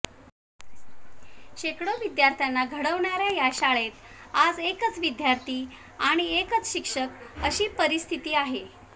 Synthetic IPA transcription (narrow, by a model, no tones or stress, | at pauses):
ɕekɽoʋid̪jaɾt̪ʰjanːaɡʱəɽəʋɳaɾjajaɕaɭet̪ | ad͡zekət͡sʋid̪jaɾt̪ʰiː | aɽ̃iekət͡sɕikʂəkəɕiːpəɾist̪ʰit̪iːaɦe